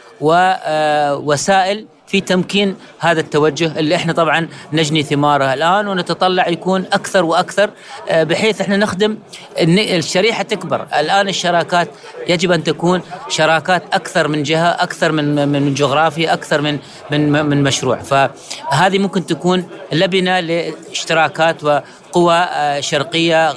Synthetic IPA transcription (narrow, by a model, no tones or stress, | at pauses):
wɪ | wasaːʔɪl | fit̪amkiːn | haːðat̪ːawad͡ʒːʊhʔɪlːiʔɪħnat̪ˤɑbʕɑnːad͡ʒniθɪmɑːɾˤaɪlʔaːnwɪnat̪ɑt̪ˤɑlːɑʕjakuːnʔakθɑɾˤwʔakθɑɾˤ | bɪħeːθʔɪħnanɪxd̪ɪm | nːʃːaɾiːħat̪ɪkbɪ̰ɾˤʔɪ̰lʔaːnɪʃːɑɾˤɑːkaːt̪ | jad͡ʒɪbʔant̪akuːnʃɑɾˤɑːkaːt̪ʔakθɑɾˤmɪnd͡ʒɪhaʔakθɑɾˤmɪnmɪnd͡ʒʊɣɾˤɑːfjaʔakθɑɾˤmɪn | mɪnmɪnmaʃɾṵːʕfa | ɦaːðimʊmkɪnt̪akuːnlabnalɪ | ɪʃt̪ɪɾɑːkaːt̪wɪ | qʊwaʃɑɾˤqɪjːa